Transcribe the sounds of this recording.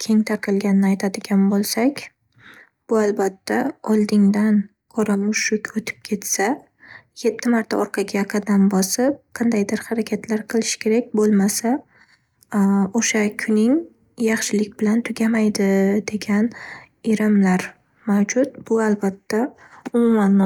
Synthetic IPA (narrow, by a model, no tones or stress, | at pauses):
kʲʰe̞ŋt̪ʰaɾqʰɨlˠɡʲanɪnɪajt̪ʰad̪ɪɡʲanbolˠsakʲ | b̥ʊalˠbat̪ːaɒlˠd̪ɪŋd̪an | qʰɒɾamʊʃʊkʲot̪ʰɪ̥p̚kʲʰe̞t̪sa | je̞t̪ʰːɪmaɾt̪ʰaɒɾqʰɑɡʲaqʰɑd̪anbɒsɪp̚qʰɑnd̪ajd̪ɪɾhɑɾakʲʰat̪ʰlaɾqʰɨlˠɪʃkʲʰe̞ɾakʲbolˠmasa | oʃakʲʰʊnɪŋ | jɑχʃɪlɪkʲbɪlant̪ʰʊɡʲamajd̪ɪd̪̥e̞ɡʲan | eɾɪmlaɾ | mawd͡ʒʊt̪̚b̥ʊalbat̪ʰːa | ʊmʊmanː